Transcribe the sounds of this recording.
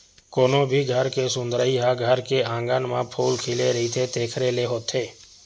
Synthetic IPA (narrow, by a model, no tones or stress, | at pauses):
koːnõbʱiːɡʱəɾkesʊ̃nd̪ɾəiɦaɡʱəɾkeãːŋɡənmãpʰuːlkʰeːleɾəɦiːt̪ʰet̪eːkʰɾeleɦoːt̪ʰeː